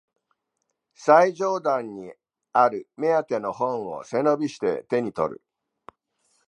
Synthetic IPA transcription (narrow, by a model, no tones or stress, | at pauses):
saiʑo̞ːd̪ãɲ̟ʲːi | aɾɯ̟me̞at̪e̞no̞hõ̞ɰ̃o̞̰se̞no̞bʲiɕi̥t̪e̞̰t̪e̞ɲ̟it̪o̞̰ɾɯ̟̰